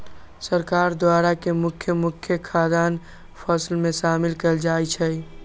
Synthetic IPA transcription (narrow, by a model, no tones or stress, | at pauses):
səɾkaːɾd̪waːɾakemʊkʰjəmʊkʰjəkʰaːd̪aːn | pʰəslmẽʃaːmɪlkəld͡ʒaːjt͡ʃʰɛ